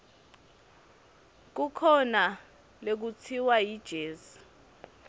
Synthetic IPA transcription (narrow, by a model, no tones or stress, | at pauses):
k̬ukʰɔna | lek̬ut͡sʰiwajid̥ʒ̥ʱeːzi̥